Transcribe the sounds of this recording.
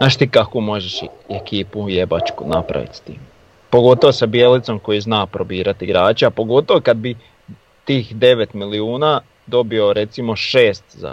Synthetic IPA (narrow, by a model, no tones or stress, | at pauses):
zzaːʃt̪iːkakumo̞ʒeʃ | ekiːpuje̞ba̰t͡ʃkunapɾa̰ʋḭt̪st̪ḭːm | po̞ɡo̞t̪oʋosabie̞lit̪so̞mko̞jiznaːpɾo̞biːɾat̪iɡɾaːt͡ʃeapo̞ɡo̞t̪o̞ʋokad̪̚bi | t̪iːxd̪e̞ʋe̞t̪miliuːnaː | d̪o̞bio̞ɾe̞t̪simo̞ʃeːst̪za̰